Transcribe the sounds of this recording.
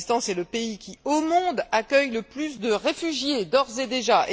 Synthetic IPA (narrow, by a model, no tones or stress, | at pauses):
st̪ɑ̃sɛləpeikʲiomɔ̃d̪akʲœjləplysd̪əʁefyʒjed̪ɔʁzed̪eʒaʔe